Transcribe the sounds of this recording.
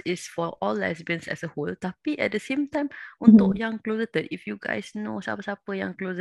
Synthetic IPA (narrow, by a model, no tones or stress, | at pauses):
ɪsfɔʔɔlɛ̰sbə̃nsɛ̰səholt̪apiʔɛ̰t̚dəsẽmt̪ãjmʔũnt̪ʊʔjãŋklosət̪ətifjuɡa̰jsno̰sa̰pəsapəjã̰ŋklos